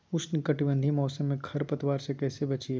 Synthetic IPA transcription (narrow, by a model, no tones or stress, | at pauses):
ʊt͡ʃnkɐʈɪbə̃nd̪ʱimɔːsəmːẽkʰɐɾpɐt̪ʋaːɾsekɛːsebɐt͡ʃie